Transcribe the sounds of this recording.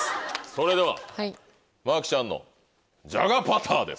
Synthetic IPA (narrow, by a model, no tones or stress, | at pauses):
so̞ɾe̞d̪e̞βa̰ha | maːkʲi̥ɕãnːo̰ | d͡ʑa̰ɡapat̪ʰaːd̪e̞̰s